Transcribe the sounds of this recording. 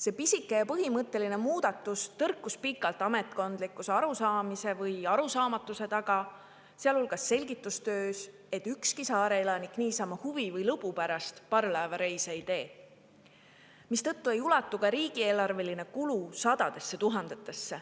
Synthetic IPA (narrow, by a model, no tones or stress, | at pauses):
se̞pisikːˑe̞jɑpɤɦimɤt̪ːˑe̞line̞muːd̪̥ɑt̪ːˑust̪ɤrkːˑuspikːˑɑlt̪ːˑɑme̞t̪ˑko̞nd̪̥likːˑuse̞ɑɾusɑːmise̞vɤjɑɾusɑːmɑt̪ːˑuse̞t̪ɑɡɑ | seɑlholɡ̥ɑsːe̞lʲɡit̪ːˑust̪øːs | e̞t̪ːˑykskisɑːɾe̞elɑnikniːsɑːmɑhuvivɤjlɤbupæɾɑst̪pɑrlɑːvɑɾe̞jseid̪e̞ː | mist̪ɤ̞t̪ːue̞julɑt̪ːˑukɑɾiːɡ̥ie̞ːlɑrve̞line̞kulusɑd̪̥ɑd̪̥e̞sːe̞t̪uɦɑnd̪̥et̪ːˑe̞sːe̞